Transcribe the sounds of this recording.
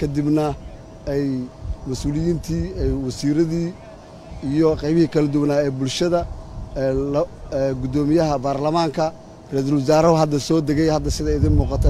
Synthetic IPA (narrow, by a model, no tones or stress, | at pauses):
kʰɐd̪ɪbnɐ | ɛjmɐsuːlɪjiːnt̪ʰiːɛjwɐsiːɾɐðiː | ijɔqɑjβɪhiːkʰɐlɐd̪ʊwnaːɛːbʊlʃɐðɐ | lɡʊd̪ɔːmɪjɐɦɐbaːrlɐmaːŋkʰɐ | rɛs̬ɐlwɐsaːɾɐɦʊɦɐd̪ːɐsɔːd̪ɛɣɛjhɐd̪ːɐsɪðɐɪðɪnmuːqɑt̪ʰɛ